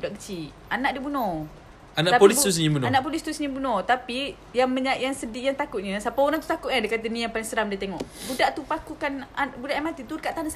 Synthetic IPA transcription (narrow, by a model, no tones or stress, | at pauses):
daʔkət͡ʃi | anaʔdibunɔ | anaʔapolist̪usənibunanaʔpolist̪usənibunɔt̪api | jaŋməɲaʔjaŋsədijaŋt̪akʊt̪̚ɲəsapaoɾaŋt̪u̥t̪akʊt̪̚adakat̪ənijapaliŋsəɾamdit̪eŋɔʔbudaʔt̪upakukanabudaʔamat̪it̪udəkaʔt̪anas